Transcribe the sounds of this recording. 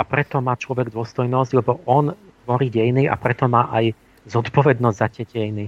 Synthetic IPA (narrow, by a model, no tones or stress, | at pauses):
apɾɛt̪ɔmaːt͡ʃlɔʋɛɡd̪ʊɔst̪ɔjnɔzɟlɛbɔʔɔnt̪ʋɔɾiːɟɛjniʔa̰pɾɛt̪ɔmaːʔaj | zɔt̪pɔʋɛd̪nɔzɟʲzacɛɟɛjni